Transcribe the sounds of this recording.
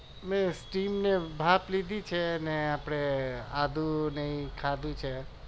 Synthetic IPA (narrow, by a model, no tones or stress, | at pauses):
mẽsʈimnebʱaplid̪ʱit͡ʃʰeneapɽ̃ea̰d̪ʱũnəɦĩkʰad̪ʱũt͡ʃʰe